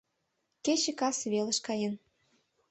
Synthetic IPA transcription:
ket͡ɕĕkɑsβelə̆ʃkɑjən

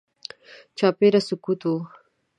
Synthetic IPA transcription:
t͡ʃɑːpeɾasukut̪u

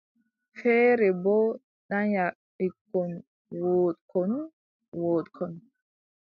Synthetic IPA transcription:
fɛːɾɛbɔ | ɗaɲaʔ | ikːɔn | woːtkʰɔn | woːtkʰɔn

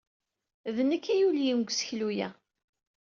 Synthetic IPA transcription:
ðənəkːæjuljinɡʷsə̥çlujæ

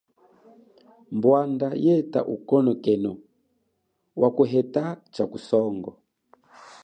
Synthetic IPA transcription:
mbwandajɛta̰ʔukɔnɔkɛnɔ | wʔakuɦɛtat͡ʃakusɔŋɡɔ

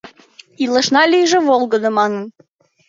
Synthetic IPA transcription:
ilə̆ʃnɑlʲyjʒə̆βolˠɡə̆d̪ɤ̆mɑnə̆n

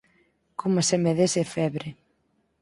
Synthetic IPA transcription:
komasemeðesefɛβɾe

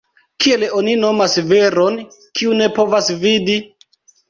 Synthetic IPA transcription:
kieleo̞nino̞masve̞ɾo̞nkiune̞po̞vasvidi

